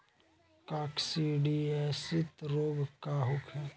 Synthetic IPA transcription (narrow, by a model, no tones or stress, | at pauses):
kaːksiɖiɛsɪt̪ɾoːbkaɦʊkʰɦɛː